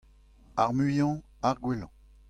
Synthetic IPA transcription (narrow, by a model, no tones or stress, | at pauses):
aʁmyjɑ̃ | aʁɡwelɑ̰̃